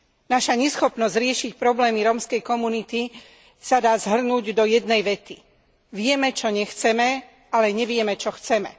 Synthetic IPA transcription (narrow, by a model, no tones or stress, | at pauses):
naʃaɲɛsxɔpnɔzɟɾɪɛʃic̚pɾɔblɛːmiɾɔːmskɛjkɔmunit̪i | sad̪aːzɦr̩nuːɟd̪ɔjɛd̪nɛjʋɛt̪i | ʋɪɛmɛt͡ʃɔɲɛxt͡sɛmɛ | alɛɲɛʋɪɛmɛt͡ʃɔxt͡sɛmɛ̰